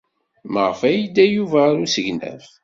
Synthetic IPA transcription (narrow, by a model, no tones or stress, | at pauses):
məʁfæjid̪æjuvæɾusəʝnæ̰f